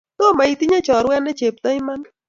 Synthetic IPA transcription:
t̪ɔ˦˨ma˨i˨t̪i˦ɲa˦t͡ʃɔ˨ɾwɛ˦nɛ˦t͡ʃe˨p̚t̪a˦ɪ˦ma˦n

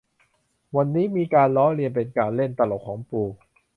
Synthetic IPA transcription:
wa˧nːiː˦˥miː˧kaː˧nlɔː˦˥li˧ənpe˧nkaː˧nle˥˩nt̪a˧lo˨˩kʰːɔː˩˦ŋpuː˧˩

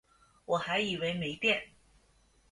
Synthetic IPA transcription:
wɔ˨˩xa˧˥ɪi˨˩we˧˥ɪme˧˥ɪt̪jɛ˥˩n

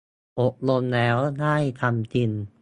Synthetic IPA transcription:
ʔo˨˩p̚lo˧mlɛː˦˥wnaː˥˩jt̪ʰa˧mt͡ɕi˧n

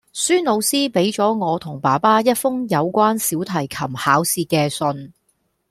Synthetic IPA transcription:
syː˥nlo˨˧wsiː˥pe˨˥jt͡sɔː˨˥ŋɔː˨˧t̪ʰʊ˨˩ŋpaː˨˩paː˥jɐ˥t̚fʊ˥ŋjɐ˨˧wkʷaː˥nsiː˨˥wt̪ʰɐ˨˩jkʰɐ˨˩mhaː˨˥wsiː˧kɛː˧sɵ˧n

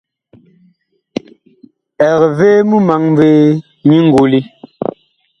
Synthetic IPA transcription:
ɛ˨ɣveː˦mu˦ma˨˦ŋm˦veː˦ | ɲi˦ŋ̩˦ɡu˨li˦

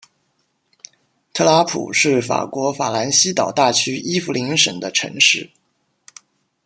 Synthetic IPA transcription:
t̪ʰɤ˥˩la˧˥pʰṵ˨˩ʂɻ̩˥˩fa̰˨˩kwɔ˧˥fa̰˨˩la˧˥nɕi˥t̪ɑ˨˩ʊt̪a˥˩t͡ɕʰy˥ʔi˥fu˧li˧˥ŋʂə̰˨˩ŋd̪ə˦ʈ͡ʂʰɤ̰˧˥ŋʂɻ̩˥˩

